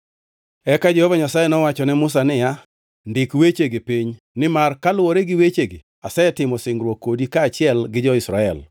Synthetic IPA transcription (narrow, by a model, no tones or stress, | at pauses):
ɛkad͡ʒɛhɔvaɲasajenɔwat͡ʃɔnɛmʊs̬anɪja | ndɪkwet͡ʃeɡepiɲ | nɪmarkalwoɾeɡɪwet͡ʃeɡe | asɛɛtɪmɔsɪŋɾwokːodikaːt͡ʃɪɛlɡɪd͡ʒɔɪsɾaɛl